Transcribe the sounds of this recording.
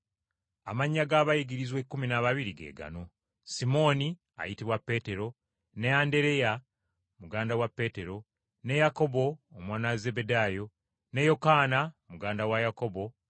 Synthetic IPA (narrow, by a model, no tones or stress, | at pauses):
a̰maɲːaɡaβajiɡiɾizwekːuminaβaβiɾiɡe̞̰ːɡa̰no̞ | simo̞ni | a̰jitiβwapːe̞ːte̞ɾo̞ | neande̞ɾe̞ja | muɡaːndawapːe̞ːte̞ɾo̞ | ne̞jako̞bo̞ːmwaːnaze̞bedaːjo̞ | ne̞jo̞kaːnamuɡaːndawajako̞bo̞